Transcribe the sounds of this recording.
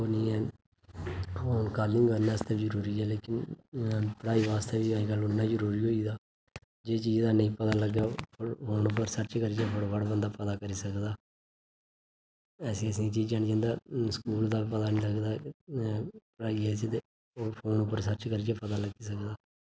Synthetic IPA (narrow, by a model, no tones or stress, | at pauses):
oːnĩːɛː | oːnkaːɾlɪ̃ŋɡbənːaːst̪eːid͡ʒəɾuːɾiːɛːleːkɪn | pəɽaːiːʋaːst̪eːʋiːaiːɡəlːʊnːãːd͡ʒəɾuːɾiːɦoːiːd̪aː | d͡ʒeːt͡ʃiːd͡ʒd̪aːnəĩːpət̪aːləɡaːpʰpʰoːnʊp̬ːəɾsəɾt͡ʃkəɾid͡ʒɛːpʰəɽbəɽbənd̪aːpət̪aːkəɾiːsəkd̪aː | ɛːsĩːəs̬ĩːt͡ʃiːd͡ʒd͡ʒaːñid͡ʒə̃ːnd̪aːskuːld̪aːpət̪aːnĩːləɡd̪aː | pəɽaːiːɛːset̪e | oːpʰoːnʊpːəɾsəɾt͡ʃkəɾid͡ʒɛːpət̪aːləɡiːsəkd̪aː